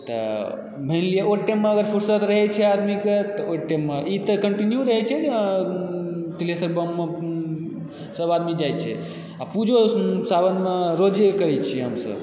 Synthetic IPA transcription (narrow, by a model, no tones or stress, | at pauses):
t̪ə̰ | bʱənlijeoʈːəjmːeəɡəɾpʰuɾsət̪ɾəɦɛt͡ʃʰɛad̪miket̪ɔoʈʈːemːeʔit̪əkəɳʈinjuɾəɦɛt͡ʃʰɛe | t̪ilesəɾbəmːe | səbad̪mid͡ʒaj̪t͡ʃʰɛ̰ | apud͡ʒʱosabənmeɾod͡ʒekəɾɛt͡ʃʰieɦəmsə̰b